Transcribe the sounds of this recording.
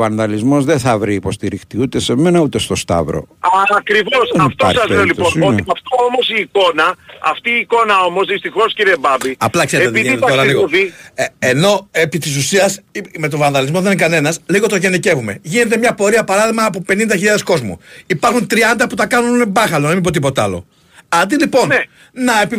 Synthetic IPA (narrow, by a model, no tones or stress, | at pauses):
vɐnðɐlizmo̞zðeθɐvɾiːpo̞st̪iɾixt̪iut̪ese̞me̞nɐut̪est̪o̞st̪ɐ̰vɾo̰ɐkɾivo̞sft̪osɐzleolipooɐft̪oomosiːko̞nɐɐ̰ft̪iːko̞nɐo̞mo̞zðist̪ixo̞sciɾiebɐbiɐplɐkseeet̪iðinit̪oɾɐliɣieno̞epit̪is̬usiɐsime̞t̪o̞vɐnðɐlizmo̞ðeninikɐne̞nɐsliɣo̞t̪o̞ʝe̞nice̞vume̞̰ʝinet̪̬e̞mɲɐpo̞ɾiɐpɐɾɐðiɣmɐːpope̞nind̪ɐçiʎɐðe̞sko̞zmṵipɐɾxunt̪ɾiɐnd̪ɐput̪ɐkɐnunbɐxɐloðɐmibot̪ipo̞t̪ɐ̰lo̞̰ | ɐnd̪ilipo̞n | nɐepi